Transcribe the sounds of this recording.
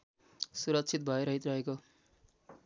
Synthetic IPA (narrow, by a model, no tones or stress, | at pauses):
suɾʌk̚t͡sʰit̪̚bʱʌeɾʌɦit̪rʌɦeko